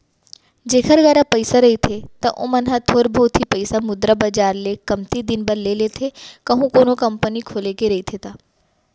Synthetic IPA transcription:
d͡ʒeːkʰəɾɡɐɾapəɪsaɾɐit̪ʰet̪ɐʔõ̰mɐnɦat̪ʰoːɾbʱoːt̪ʰipəɪsamʊd̪ɾəbəd͡ʒaːɾlekɐmt̪id̪ɪnbəɾlelet̪ʰekɐɦũkoːnokɐmpənikʰoːlekeɾɐit̪ʰet̪aː

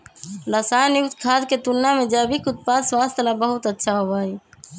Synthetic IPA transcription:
ɾəsajnjukt̪kʰad̪ket̪unnːamed͡ʒabikut̪̚pad̪swast̪ʰəlabəɦut̪ətːʃʰaɦobai

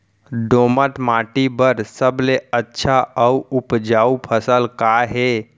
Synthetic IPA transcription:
ɖomət̪maʈibəɾsəbleətːʃʰaəuupd͡ʒaːupʰəsəlkaɦe

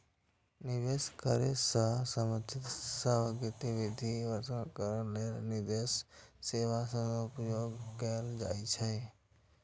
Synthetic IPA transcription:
nɪʋeskəɾesəsəmət̪ʰɪt̪səʋəɡɪt̪iʋɪd̪ʱiʋəɾt̪ənkəɾəlenɪd̪esːeʋasə̃nʊpjoːɡkeld͡ʒa̰ːit͡ʃʰɛ

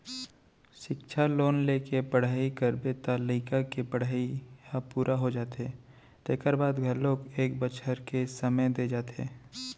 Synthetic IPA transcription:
ʃɪkʃʰaloːnleːkepəɽ̤aːikəɾbet̪aːliːkakepəɽ̤aːikapuːɾʔaɦod͡ʒaːt̪ɦe | t̪eːkəɾbaːd̪ɡʱəlːoːkeːkbət͡ʃʰəɾkesəməjd̪ed͡ʒaːt̪ḛː

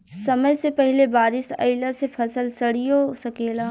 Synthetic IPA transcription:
sɐməjsepɐɦlebaːɾɪsɐ̰ɪləsepʰɐsəlsɐɽijosɐkeːlaː

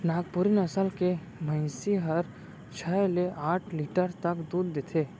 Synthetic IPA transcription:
naːɡ̚pʊɾɪnɐsəlke | mə̃ɪsiɦəɾ | t͡ʃʰɛleʔaːʈʰliːʈəɾt̪ɐkd̪uːɾːeːt̪ʰeː

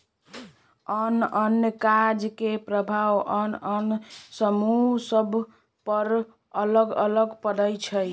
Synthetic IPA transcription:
ənənjəkad͡ʒkepɾəbʱawənənsəmusəbʱ | pəɾ | ələɡə̰ləɡpədəjt͡ʃʰəj

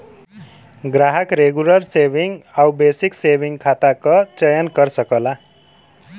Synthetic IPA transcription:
ɡraɦʌkreɡulʌrsebʱiŋawbesiksebiŋkʰat̪akot͡sʌjʌnkʌrsʌkola

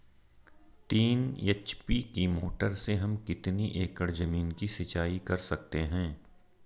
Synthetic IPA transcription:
t̪iːneːt͡ʃpikimoːʈəɾseɦɐmkɪt̪niʔeːkəɽzɐmiːnkisɐt͡ʃaːikɐɾsɐk̚t̪eɦɛ̃ː

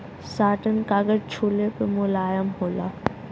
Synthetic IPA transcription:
saːʈənkaːɡəɾt͡ʃʰuːlepemʊlaːjəmɦoːla̰ː

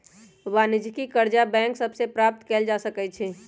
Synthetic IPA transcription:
ʋanɪd͡ʒkikəɾd͡ʒabɛ̃ːŋksəbsepɾaːp̚t̪keːld͡ʒasəkɛt͡ʃʰɛː

